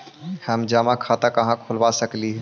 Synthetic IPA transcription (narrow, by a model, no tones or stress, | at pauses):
həmd͡ʒaːmãkʰaːt̪akɐɦãkʰolʋaːsəkliɦɛ